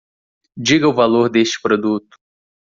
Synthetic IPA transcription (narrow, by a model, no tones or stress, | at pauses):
d͡ʒiɡɐʊvaloɾd̪est͡ʃɪ̥pɾod̪ut̪ʊ̥